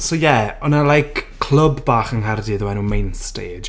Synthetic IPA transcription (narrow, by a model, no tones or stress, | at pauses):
sowjɛɔnalˠajkʰ | l̥ˠəbbaːχənɦardiðəwɛnuːmejnsteːd͡ʒ